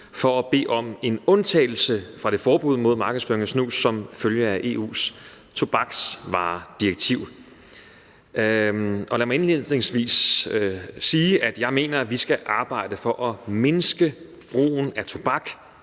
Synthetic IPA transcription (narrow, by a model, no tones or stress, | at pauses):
fɒ̽æb̥e̝̰ːʔɒ̽me̝nɔ̽nt͡sʰɛ̰ːɪl̩səfʁɑ̈ɾ̥e̝fɒːb̥uð̰ˠmo̝ð̞̰ˠmɑ̈ːɡ̥əðˠsføːɐeŋæsnṵːsːɒ̽mføljəæʔe̝̰ːṵːs | t͡sʰo̝b̥ɑ̈ɡ̥sʋɑ̰̈ːd̥iɐɡ̥̚t͡sʰiʊ̰ | ɒ̽læmɑ̈ɪenlið̰ˠne̝ŋsʋḭːs | iːʔæd̥jɑ̈ɪme̝̰ːnɐʋisɡ̥æʔɑ̈ːb̥ɑ̈ɪ̰d̥əfɒ̽ʔɒ̽me̝nsɡ̥ə | b̥ʁo̝̰ːn̩æt͡sʰo̝b̥ɑ̈ɡ̥